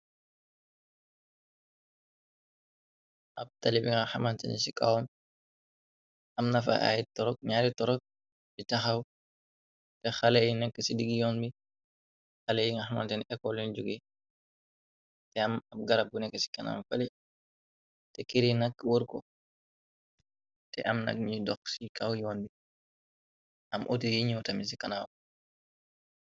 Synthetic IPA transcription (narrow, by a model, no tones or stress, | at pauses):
ʔɐb̚tɐlibiŋahamantɛ̰nsika̰wɔn | ɐmnɐfa̰ʔa̰jitɔɾɔk̚ɲaɾitɔɾɔk̚ | sitɐxɐw | tɛxɐlɛjinɛkːɛsidiɡijɔːnbi | xɐlɛjiŋaxmantɛnʔɛkːɔlind͡ʒuɡɛ | tɛɐmɐm̚ɡɐɾap̚bunɛkːəsi̥kɐna̰mfɐli | tɛkiɾinɐk̚wəɾkɔ̰ | tɛ̰ʔɐmnɐ̰k̚ɲidɔksikawjɔːnbi | ɐmʔɔ̰tijiɲiwtɐmis̬ikɐnaw